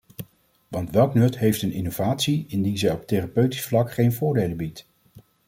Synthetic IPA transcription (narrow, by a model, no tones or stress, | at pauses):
ʋɑntʋɛlˠknɵtɦejftənɪnowvaːtsiɪndinzɛjɔp̚terapøɥti̥sflɑkχejnvʊːɹdejləbit